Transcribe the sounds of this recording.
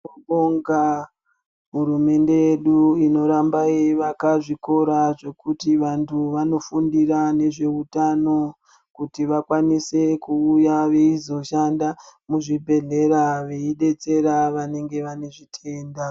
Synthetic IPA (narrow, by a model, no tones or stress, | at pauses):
oŋɡa | ɦuɾume̞nde̞jeɗuino̞ɾambaiʋakaʐiko̞ɾaʐe̞kutiʋantʰuʋano̞fundiɾane̞ʐe̞utano̞ | kutiʋakwanise̞kuːjaʋe̞izo̞ʃandamuʐibʱe̞ɮe̞ɾaʋe̞iɗe̞t͡se̞ɾaʋane̞ŋɡe̞ʋane̞ʐitʰe̞ːnda